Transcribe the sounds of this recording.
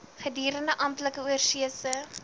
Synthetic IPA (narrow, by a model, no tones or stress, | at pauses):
χədiːɾəndəʔɐmtləkəuərsiəsə